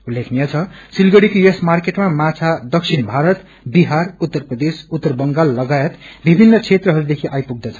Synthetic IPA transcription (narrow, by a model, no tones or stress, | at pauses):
ulːekʰnijat͡sʰʌsilɡʌɽikojʌsmarkeʈmamat͡sʰad̪ʌksʰinbʱaɾʌt̪ | biɦarut̪ːʌrprʌd̪esut̪ːʌrbʌŋɡalːʌɡajet̪bibʱinːʌt͡sʰet̪rʌɦʌɾud̪ekʰiʔajpuɡ̚d̪ʌt͡sʰʌ̥